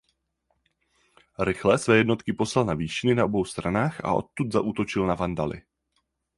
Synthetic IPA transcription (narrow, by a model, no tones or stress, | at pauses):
ɾɪxlɛsvɛːjɛdno̞t̪kɪpo̞slalnaviːʃɪnɪnao̞bo̞wst̪ɾanaːxʔa̰ʔo̞̰t̪̚ːut̪zaʔuːt̪o̞t͡ʃɪlnavandalɪ̰